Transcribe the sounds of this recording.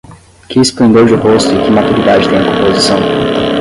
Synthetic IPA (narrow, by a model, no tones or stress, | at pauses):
kɪɪsplẽnd̪eɾd͡ʒɪɦost̪ʊɪkɪmat̪uɾid̪ad͡ʒɪt̪ẽj̃ɐkõmpozisɐ̃w̃